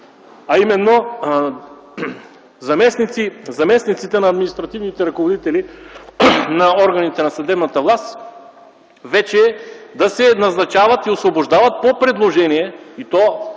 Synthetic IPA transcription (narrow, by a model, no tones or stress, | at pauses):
ɐimɛnːo | zɐmɛsnit̪sizɐmɛsnit̪sit̪ɛnɐːd̪minist̪ɾɐt̪ivnit̪ɛɾɐkovod̪it̪ɛli | nɐɔɾɡɐnit̪ɛnɐsɐd̪ɛbnɐt̪əvlˠast̪ | vɛt͡ʃɛd̪ɐsɛnɐznɐt͡ʃavɐt̪iosvoboʒd̪avɐt̪̚popɾɛd̪lˠoʒɛnijɛit̪ɔ